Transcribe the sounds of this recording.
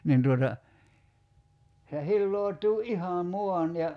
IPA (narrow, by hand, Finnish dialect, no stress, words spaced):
nin tuotɑ se hilːoo̝tˑuː ʔihɑ muɑn jɑ